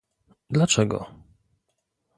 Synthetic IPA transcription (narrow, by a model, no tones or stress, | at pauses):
d̪lat͡ʂɛɡɔ̰